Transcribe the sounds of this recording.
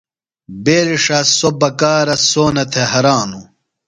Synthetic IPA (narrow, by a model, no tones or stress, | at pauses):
beːɾiʂasobɐkaːɾɐsoːnɐt̪ʰeɦɐɾaːnu